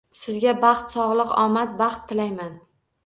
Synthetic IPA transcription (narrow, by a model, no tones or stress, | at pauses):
sɪzɡʲabɑχt̪sɒʁlˠɨqɒmat̪̚bɑχt̪ʰːɪlajman